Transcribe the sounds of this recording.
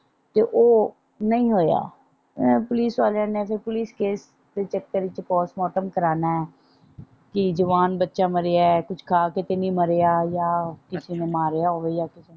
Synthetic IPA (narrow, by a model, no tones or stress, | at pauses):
t̪eːʔoː | nəĩːɦoːja̰ː | pʊliːsʋaːlãːnẽːpʰɪɾpʊliːskeːs | d̪eːt͡ʃək̚t̪əɾɪt͡ʃpɔːsmɔːʈəmkəɾaːnaːɛː | kɪd͡ʒəʋaːnbətːʃaːməɾeaɛɛkʊt͡ʃʰkʰaːkɪt̪enĩːməɾeːaːjaːkɪsinẽːmaːɾejaːoːʋeijaːkɪsi